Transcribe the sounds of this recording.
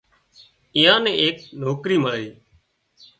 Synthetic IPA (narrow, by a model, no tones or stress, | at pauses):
ɪjãːnẽːʔeːk̚noːkɾiːməliː